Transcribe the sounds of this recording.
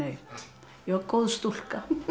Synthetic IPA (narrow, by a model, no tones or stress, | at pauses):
e | jokkolst̪ulkɑ